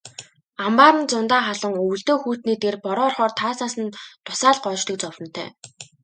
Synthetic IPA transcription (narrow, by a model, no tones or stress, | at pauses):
ampaːɾə̆nt͡sʊnt̪aːχaɮə̆ŋɵw̆ɮt̪oːxuːt̪niːt̪erpɔɾɔːrχɔːrt̪ʰaːsnaːsə̆nt̪ʰʊ̥saːɮɢɔːt͡ɕt̪ə̆k̚t͡sɔwə̆n̥t̪ʰœ̰ː